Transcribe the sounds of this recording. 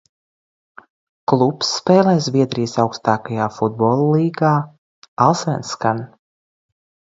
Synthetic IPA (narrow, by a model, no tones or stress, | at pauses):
klˠupsːpɛːlˠɛːzvʲiɛd̪ɾijsawkst̪aːkajaːfud̪̚bɔːlˠliːɡaː | alˠsvɛnskan